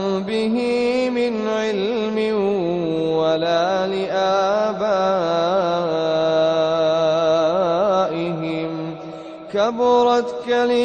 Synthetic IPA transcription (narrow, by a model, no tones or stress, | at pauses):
bɪɦɪ | mɪn | ʕɪl | mɪ | walaː | lɪʔaːbaː | ʔɪɦɪm | kabɾˤɑt̪kalɪ